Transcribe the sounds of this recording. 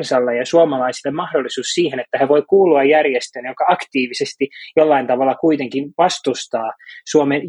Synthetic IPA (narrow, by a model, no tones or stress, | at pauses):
nsɑlːejjɑsuomɑlɑisilːemɑhdolːisuːssiːhenet̪ːæheʋoikuːluɑjjærjest̪enjokɑɑkt̪iːʋisest̪ijolːɑint̪ɑʋɑlːɑkuit̪eŋkinʋɑst̪ust̪ɑːsuomen